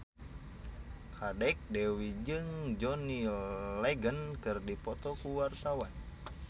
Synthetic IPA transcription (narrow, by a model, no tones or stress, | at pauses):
kʰadɛk̚dɛwid͡ʒɨŋd͡ʒɔnilɛɡənkɨrdipɔt̪ɔkuwart̪awan